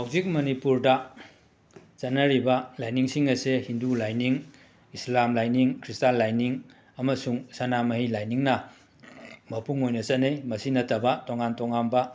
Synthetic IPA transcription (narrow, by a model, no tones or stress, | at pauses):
hawzik̚mɐnipuɾdɐ | t͡ʃɐnːɐɾibɐlajniŋsiŋɐsehindulajniŋ | islamlajniŋkʰɾistalajniŋ | ɐmɐsuŋsɐnamɐɦilajniŋnɐ | mɐpuŋojnɐt͡ʃɐnejmɐsinɐtʰːɐbɐtoŋantoŋanbɐ